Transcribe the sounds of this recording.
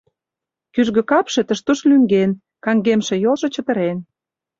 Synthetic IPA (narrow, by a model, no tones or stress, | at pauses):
kyʒɣø̆kɑpʃĕt̪ə̆ʃt̪uʃlyŋɡen | kɑŋɡemʃĕjolʒɤ̆t͡ɕə̆t̪ə̆ɾen